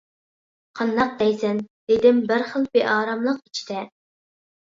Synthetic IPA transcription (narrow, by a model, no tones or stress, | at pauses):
qʰɑnd̪ɑq̚d̪ɛjzɛnd̪̥ɪd̪ɪmbɪɾχəlˠbeʔɑːɾɑmlˠəqit͡ʃʰi̥d̪̥ɛ